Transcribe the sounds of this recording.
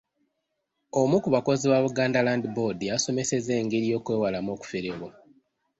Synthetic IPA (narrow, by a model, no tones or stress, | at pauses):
o̞mukuβako̞ziwaβuɡaːndalandibo̞dijaso̞me̞se̞ze̞ːŋɡeɾjo̞ːkwe̞ːwalamo̞ːku̥feɾeβo